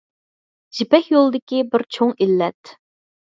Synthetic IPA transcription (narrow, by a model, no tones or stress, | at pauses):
d͡ʒipɛkjolˠɨd̪ɪkʲibɪɾt͡ʃʰoŋilːɛt̪